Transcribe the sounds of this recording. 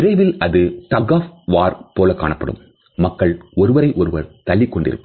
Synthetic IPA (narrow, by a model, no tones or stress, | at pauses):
ɪɾɐɪʋɪlɐðɯʈɐɡaːfʋaːɾpoːlɐka̰ːɳɐpːɐɽɯ̰mː | ɐkːɐɭɔɾɯʋɐɾɐɪʔɔɾɯʋɐɾt̪ɐɭːɪkːɔɳɖɪ̰ɾɯ̰pː